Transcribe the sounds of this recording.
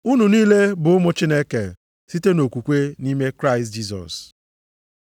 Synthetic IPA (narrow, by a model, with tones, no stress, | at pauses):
u˦nu˨niː˦le˦bʊ˨ʊ˦mʊ˦t͡ʃɪ˦ne˦ke˨ | si˦te˦no˨kʷu˨kʷe˦ni˦me˦kɾa˦ɪ˨std͡ʒi˦sɔ̰˨s